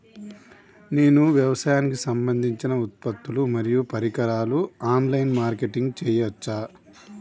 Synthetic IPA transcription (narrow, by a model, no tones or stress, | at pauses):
neːnuʋjɐʋɐsaːjaːnikisɐmbɐnd̪ʱiɲt͡ʃinɐut̪̚pɐt̪ːulumɐɾijupɐɾikɐɾaːluaːnlɐjnmaːɾkeʈiŋɡt͡ʃɛːjɐt͡ʃːaː